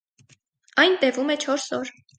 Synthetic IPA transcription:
ɑjnt̪ɛvumɛt͡ʃʰɔɾsɔɾ

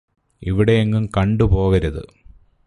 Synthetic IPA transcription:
iʋiɽejeŋːumkɐɳɖupo̞ːɣɐɾɐðɨ̰

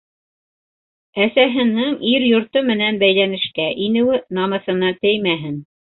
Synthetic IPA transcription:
æsæɦɘ̆nɘŋiɾjŏɾt̪omɘ̆nænbæjlænɘ̆ʃkæʔinɘ̆wɘnɑmɤ̆θɤ̆nɑt̪ɘjmæɦɘn

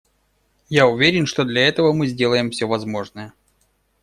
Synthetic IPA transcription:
jaʊvʲeɾʲɪnʂt̪o̞d̪lʲɐɛt̪əvəmɨzʲdʲe̞lˠəjɪmfsʲovɐzmo̞ʐnəjə

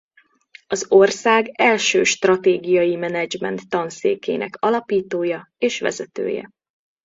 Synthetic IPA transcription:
ɒzo̞rsaːɡɛlʃøːʃt̪rɒt̪eːɡijɒjimɛnɛd͡ʒmɛ̰nt̪ːɒnsḛːkeːnʔɛkɒlɒpiːt̪oːjɒ | eːʃʋɛ̰zɛt̪ø̰ːjɛ̰

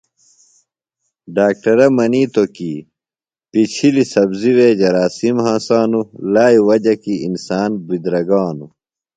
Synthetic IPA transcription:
ɖaːk̚ʈɐɾɐmɐniːt̪oki | pit͡ɕʰilisɐbziweːd͡ʑɐɾaːsimhãːsaːnulaːiwɐd͡ʑɐkiinsaːnbid̪ɾɐɡaːnu

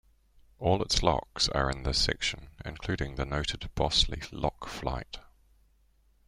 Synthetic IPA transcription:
ʔɔːlˠɪtslɒ̰ksə̰ɹɪ̃nðəsɛ̰kʃə̃nɪ̰̃nkʰl̥ʉːdɪ̃ŋðənəʊtʰɪdb̥ɒslḭlɒkfla̰ɪt

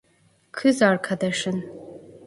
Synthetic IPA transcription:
kʰɨzaːrkʰɐdɐʂɨn

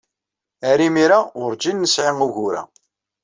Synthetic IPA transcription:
æɾimiɾaʊɾd͡ʒinːəsʕiŋuʝuɾæ̰

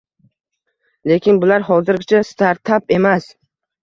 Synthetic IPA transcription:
le̞kʲʰɪnbʊlaɾhɒzɪɾɡʲɪt͡ʃʰast̪ʰaɾt̪ʰape̞mas

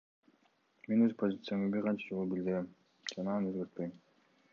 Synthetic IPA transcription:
me̞nøzpʰo̞zʲit̪sɨjamɑbiɾqʰɑnt͡ʃɑd͡ʒolˠubild̪ɪɾem | d͡ʒɑnɑnø̞zɡøɾt̪̚pøjm

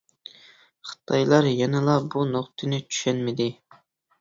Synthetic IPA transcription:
χɨ̥t̪ʰɑjlˠɑɾjɑnɨlˠɑbunoqt̪ʰɨnɪt͡ʃʰy̥ʃɛnmɪd̪ɪ

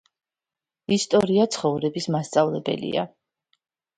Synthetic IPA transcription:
ist̪ʼɔɾiat̪sʰχɔvɾɛbismast̪sʼavlɛbɛ̰lḭa̰

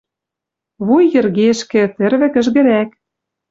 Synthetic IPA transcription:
βujːɘ̆rɣeʃkɘ̆t̪ɘ̆rβɘ̆kɘ̆ʒɣɘ̆ɾæk

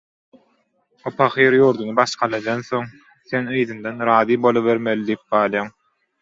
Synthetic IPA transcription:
opʰɑχiːɾjuːɾd̪unɯbɑʃqʰɑlˠɑd̪ɑnθoŋ | θenɯjðɯnd̪ɑnɾɑːðiːbo̞lˠɯβeɾmelid̪ijip̚ɢɑːlˠjɑːŋ

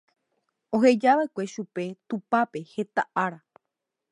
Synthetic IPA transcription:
o̞ɦe̞d͡ʒaʋaekʷe̞ʃupe̞t̪upape̞he̞t̪aʔaɾa

